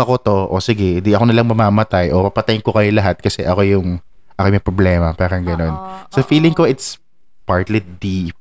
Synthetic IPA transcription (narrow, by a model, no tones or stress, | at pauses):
ɐko̞t̪o̞ʔo̰sɪɡɛd̪iɐkonɐlɐŋmɐmaːmɐt̪ajʔo̞pɐpɐt̪ɐjɪnko̞kɐjolɐɦat̪̚kɐsɛʔɐko̞jʊŋ | ʔɐkomɐjpɾoblɛːmɐpaːɾɐŋɡɐno̞nsɐfiːlɪŋko̞ʔɪt̪s | paɹt̪lid̪ip̚